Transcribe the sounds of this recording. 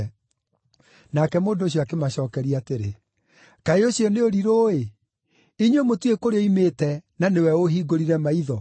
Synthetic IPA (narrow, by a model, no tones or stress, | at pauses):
nakɛmoːndoːɕ̬jɔakemaɕɔːkɛɾiateɾḛ | kaeoɕjɔneoɾiɾoːe | iɲwemotwekoɾeɔimetɛnanewɛoɦiɡoɾiɾɛmaiðɔ